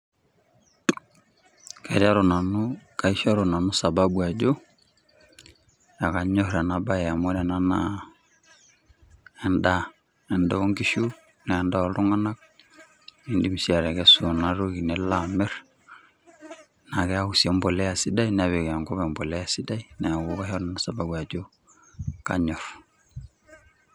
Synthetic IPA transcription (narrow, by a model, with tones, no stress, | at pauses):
kɛ˨ɾa˦ɾo˨na˨nu˦ka˨i˦ʃɔ˦ɾo˨na˨nu˦sa˨ba˦bua˨d͡ʒo˦ | ja˨ka˨ɲɔ˦ɾɛ˨na˨ba˦ɛa˨mɔ˦ɾɛ˨na˦na | ɛ˨nda˦ | ɛ˨ndɔ˦o˦ŋɡi˦ʃu˦ | nɛː˨nda˦ɔ˨lɾu˦ŋa˦na˦k̚ | ni˨ndi˦m˨si˦a˨ɾɛ˨kɛ˦su˨na˦ɾu˦ɡi˨nɛ˨la˨mɛ˦ɾ | na˨kɛ˦a˦u˨si˨ɔ˦mbɔ˨lɛ˦a˨si˦da˦inɛ˨βɛ˨kɛ˨a˨ŋɡɔ˦bɛ˨mbɔ˨lɛ˦a˨si˦da˦i˦nɛ˨a˨ɡu˦ka˦ɦɛ˦ɾnna˦sa˨ba˨bwa˨d͡ʒo˦ | ka̰˨ɲɔ˨f